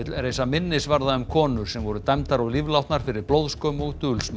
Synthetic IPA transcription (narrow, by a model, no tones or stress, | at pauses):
ɪt̪lɛɾejsamɪnːɪsvaɾðaʏmkʰɔːnʏɾ̥sɛmvɔɾʏt̪ɛmt̪aɾawlivlawht̪naɾ̥fɪɾɪɾplowðskœmɔɣt̪ʏlsm